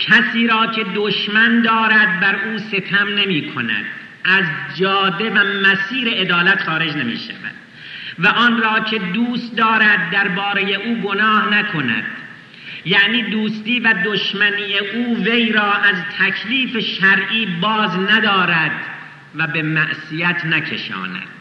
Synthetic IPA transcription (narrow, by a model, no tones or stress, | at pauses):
cʰæsiːɾɒːcʰe̞d̪oʃmænd̪ɒːɾæd̪̚bæɾʔuːse̞t̪ʰæmne̞miːkʰo̞̰næ̰d̪̥ | ʔæzd͡ʒɒːd̪e̞væmæsiːɾe̞ʔed̪ɒːlæt̪xɒːɾe̞d͡ʒnemḭːʃæ̰væ̰d̪̥ | væʔɒːnɾɒːcʰe̞d̪uːst̪̚d̪ɒːɾæd̪̚ːæɾbɒːɾe̞je̞ʔuːɡo̞nɒːhnækʰo̞næ̰d̪̥ | jæʔniːd̪uːst̪iːvæd̪oʃmæniːjeʔuːve̞jɾɒːʔæzt̪ʰækʰliːfeʃæɾʔiːbɒːznæd̪ɒːɾæd̪ | væbe̞mæʔsijæt̪ʰnækʰe̞̰ʃɒ̰ːnæ̰d̪̥